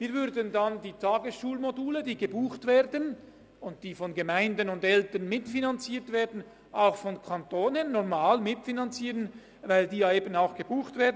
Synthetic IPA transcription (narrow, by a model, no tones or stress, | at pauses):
viːɐvʏɾdəndandiːtʰaːɡəsʃuːlmoduːlədiːɡəbuːxtv̥eːɾdən | ʊntd̥iːfɔnɡəmaɪndənʊndɛltənmɪtfinant͡siːtv̥eːɾdn̩ | ʔaʊxfɔnkʰantoːnənːɔʁmaːlmɪtfinant͡siːʁən | vaɪldiːjaeːbənaʊxɡ̥əbuːxtveːdn